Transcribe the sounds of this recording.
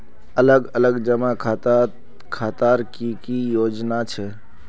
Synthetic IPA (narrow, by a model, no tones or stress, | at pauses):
ələɡələɡd͡ʒəmakʰat̪ | kʰat̪aɾkikijoːd͡ʒnat͡ʃʰɛ